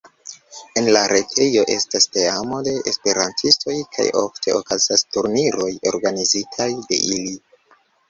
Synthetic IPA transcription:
e̞nlaɾʔe̞tʰe̞jo̞ʔe̞̰staste̞amo̞de̞ʔespe̞ɾantʰisto̞jkʰa̰jo̞̰ftʰe̞okazastuɾniɾo̞jo̞̰ɾɡanizitʰajde̞̰ʔili

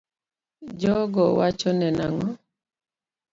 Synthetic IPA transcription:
d͡ʒɔɡɔwat͡ʃɔnɛnaŋɔ

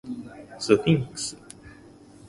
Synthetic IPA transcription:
sɨθĩŋksɨ̥

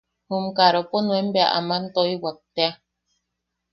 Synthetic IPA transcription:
humkaɾoponwembea̰ʔa̰man̩t̪oiwak̚t̪ea

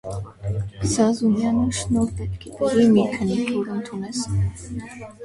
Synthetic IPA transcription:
sɑzunjɑnəʃnɔɾpɛt̪̚kʰɛt̪əʁimikʰənikʰɔɾənt̪ʰunɛs

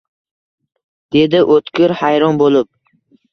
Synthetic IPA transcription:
d̪̥e̞d̪ɪʔot̪kʲɪɾhajɾɒnbolɪp̚

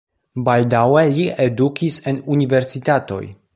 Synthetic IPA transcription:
baldaweliedukisenunive̞ɾsitato̞̰j

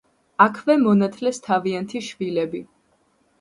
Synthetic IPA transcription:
akʰvɛmɔnat̪ʰlɛst̪ʰaviant̪ʰiʃvilɛbi

